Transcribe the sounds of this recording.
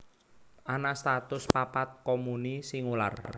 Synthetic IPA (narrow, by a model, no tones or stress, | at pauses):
ʔanast̪at̪ʊspapat̪̚komunisiŋula̰r